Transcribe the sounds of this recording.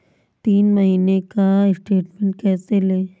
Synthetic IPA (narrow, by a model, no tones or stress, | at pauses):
t̪iːnmɐɦiːnekaɪsʈeːʈmẽɳʈ̚kɛːseleː